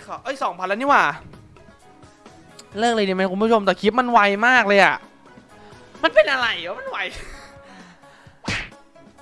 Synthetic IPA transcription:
kʰːʔɤ˦˥˩jsɔː˩˦ŋpʰa˧nlaː˦˥niː˥˩waː˧˩ | lɤː˥˩k̚lɤː˧ni˨˩ma˦˥˩ku˧mʰpu˥˩o˧mt̪ɛː˨˩kʰi˦˥t̪̚ma˧nwa˧jmaː˥˩k̚lɤː˧jʔa˨˩ | ma˧npe˧nʔa˧ɾa˧ji˨˦ma˧˥˨nwa˧j

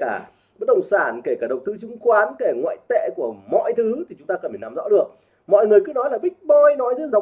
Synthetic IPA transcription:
kaː˧˩ | ɓə˦˥t̚ɗə˧˩wŋ͡msaː˧˩nke˧˩kaː˧˩ɗə˨˩wt̪ɨ˧˦t͡ɕʊ˨˧˦ŋ͡mkwaː˨˦nke˧˩ŋwa̰ː˧˨jt̪ḛ˧˨ku˧˩əmɔ̰˧˨jt̪ʰɨ˨˦t̪ʰi˨˩t͡ɕʊ˨˦ŋ͡mt̪aː˧kə˨˩nfe˨˩naː˨˦mzɔ̰˧˥ɗɨ˨˩ək̚ | mɔ̰˧˨jŋɨ˨˩əjkɨ˨˦nɔ˨˦jlaː˨˩ɓï˦˥k̟̚ɓoː˧jnɔ˨˦jt̪ʰɨ˨˦za˨˩

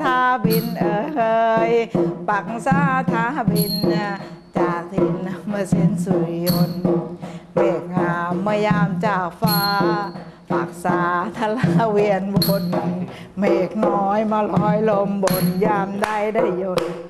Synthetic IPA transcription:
t̪ʰaː˧bi˧nʔɤː˧˩kʰɤː˧jpa˨˩k̚saː˧˩t̪ʰaː˧˦a˧bi˧nːa˧ | t͡ɕaː˨˩k̚i˧˩na˧˩maː˧se˧˩nsu˧˩˧o˧n | meː˨˩k̚haː˨˧˩mːaː˧jaː˧˩mt͡ɕaː˧˩k̚faː˧ | pa˨˩k̚saː˨˧t̪ʰa˧la˧˦˧wi˧ənbo˧n˧˨ | meː˨˩k̚nɔː˧˦jmaː˧lɔː˨˦jlo˧mbo˨˩njaː˧˩mda˧˩˨jda˧˩˨jːo˧˩

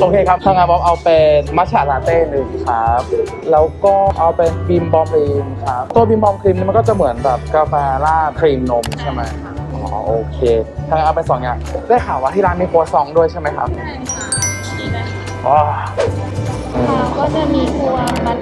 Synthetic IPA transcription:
ʔoː˧kʰeː˧kʰa˦˥p̚kʰaː˧ŋaː˧jbɔː˦˥mʔa˧wpe˧nmaː˦˥t͡ɕʰaː˨˩laː˧t̪eː˥˩nɯ˨˩ŋkʰa˦˥p̚ | lɛː˦˥wkɔː˥˩ʔa˧wpe˧nbi˧mbɔː˧mliː˧nkʰa˦˥p̚t̪u˧bi˧mbɔː˧mkʰɾi˧mniː˥˩m˧kɔː˥˩t͡ɕa˨˩mɯ˩˦ənbɛː˨˩p̚ka˧fɛː˧laː˥˩kʰɾiː˧mno˦˥mt͡ɕʰa˥˩ma˦˥ja˦˥ʔɔː˩˦ʔoː˧˩kʰeː˧k̪ʰa˧ŋaː˧ʔa˧wpe˧nsɔː˨˩˦ŋjaː˨˩ŋdaː˥˩jkʰaː˨˦waː˥˩t̪ʰi˥˩ɾaː˦˥nmi˧˩kʰoː˦˥t̪̚sɔ˧˥ŋdu˥˩əjt͡ɕʰa˥˩ma˦˥jkʰa̰˦˥p̚ | iː˧˩na˧˥˩ | ʔɔː˧˩ | ʔɯː˧a˧˩kɔː˥˩t͡ɕa˨˩miː˧kʰu˧ɐa˧˩

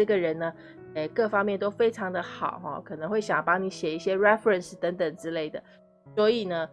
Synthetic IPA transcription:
ɤ˥˩ɡə˩ɻə˧˥nnə˧ | ɛ˥˩kɤ˥˩fɑ˥ŋmjɛ˥˩nt̪o˥ʊfe˥ɪʈ͡ʂʰɑ˧˥ŋd̪ə˧xɑ˨˩˦ʊxɔ̰˥˧kʰɤ˨˩nə˧˥ŋxwe˥˩ɪɕjɑ˨˩ŋpɑ˥ŋni˧˥ɕjɛ˨˩i˥˩ɕjɛ˥ɻɛ˥fɾə˨˩nʂ̩˨˩t̪ə˧˥ŋt̪ə˨˩ŋʈ͡ʂɻ̩˥le˥˩ɪd̪ə̰˩ | swɔ˧˥i˨˩nə˦

